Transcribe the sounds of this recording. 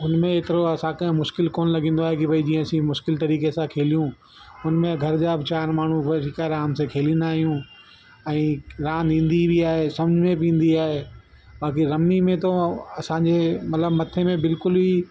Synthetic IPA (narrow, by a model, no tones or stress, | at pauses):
ʊnmẽet̪ɪɾoɐsãkɐ̃ɦɪ̃mʊʃkɪlkoːnlɐɡĩːn̆d̪oaːɦekibʱɐid͡ʑiːə̃ɐsĩmʊʃkɪlt̪ɐɾiːkesãkʰeːlijũ | ʊnmẽɡʱɐɾd͡ʑaːbt͡ɕaːɾmaːɳ̤ũʋɐɪkaɾaːmsẽkʰeːlĩːnd̪aːɦijũ | ɛ̃ːɾãːnd̪ĩːn̆d̪ibʱiaːɦesɐ̃md͡ʑʱmẽpĩːn̆d̪iaːɦeː | baːk̬iɾɐmnimẽt̪oɐsãɲd͡ʑemɐt̪ləbmɐt̪ʰemẽbɪlkʊli